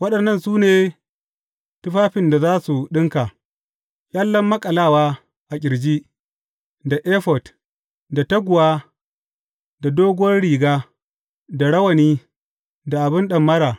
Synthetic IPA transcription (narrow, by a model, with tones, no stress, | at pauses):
wɐ˦ɗɐ˨nːɐ˦˨nsuː˦neː˨ | tʊ˦ɸaː˦ɸɪ˨nda˨zaː˦su˨ɗɪ˦ŋkaː˨ | jʼa˦lːɐ˦mːɐ˦kʼɐ˨laː˦˨waː˦ | ʔa˨kʲʼɪ˨ɾd͡ʒiː˦ | da˨ʔeː˦ɸɔ˨t | da˨tɐ˦ɡʷʊ˨waː˦ | da˨doː˦ɡʊ˦wɐ˦rɽiː˨ɡaː˦ | da˨ɽɐ˦wɐ˨niː˦ | da˨ʔa˨bɪ˦nɗɐ˨mːɐ˦ɾaː˨